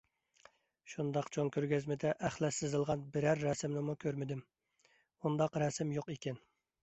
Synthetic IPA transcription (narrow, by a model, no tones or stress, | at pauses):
ʃund̪ɑqt͡ʃʰoŋkʲʰøɾɡʲɛzmɪd̪ɛʔæχlˠɛsɪzɨlˠʁɑnbɪɾæɾːɛsɪmnɪmukʲʰøɾmɪd̪ɪm | und̪ɑqɾɛsɪmjoqikʲɛn